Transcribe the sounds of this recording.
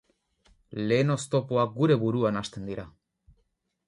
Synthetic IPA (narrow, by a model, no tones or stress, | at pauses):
le̞ːno̞st̪o̞poak̚ɡuɾe̞βuɾuanast̪e̞nd̪iɾa